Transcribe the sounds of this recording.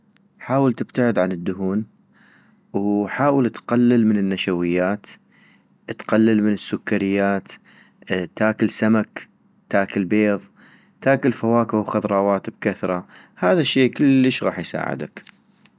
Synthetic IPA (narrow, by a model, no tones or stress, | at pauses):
ħaːwɪlt̪ɪb̥t̪aʕɪd̪ʕanɪd̪ːʊɦuːn | wħaːwɪlt̪qalːalmɪnɪnːaʃawɪjːaːt̪ | t̪qalːalmɪnɪsːʊkːaɾɪjːaːt̪ | t̪ːaːkɪlsamak | t̪aːkɪlbeːðˤ | t̪aːkɪlfawaːkɪwxɑðɾˤɑːwɑːt̪b̚kaθɾˤɑ | haːðaʃːeːkɪlːəʃɣɑ̰ːħjsa̰ːʕɪ̰d̪a̰k